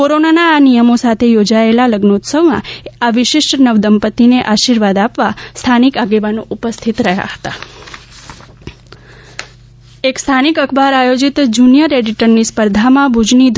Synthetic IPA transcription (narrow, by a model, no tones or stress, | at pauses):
koɾonanaːnijəmosat̪ʰejod͡ʒaelaləɡnout̪səʋmã̰aʋɪʃɪʃʈnəʋd̪əmpət̪ineʔaʃiɾʋad̪apʋast̪ʰanikaɡeʋanoʔupəst̪ʰit̪ɾəɦja̰ɦə̥t̪a̰ | ekst̪ʰanikəkʰbaɾajod͡ʒit̪d͡ʒunijəɾeɖiʈəɾnispəɾd̪ʱamãbʱud͡ʒnid̪ʱ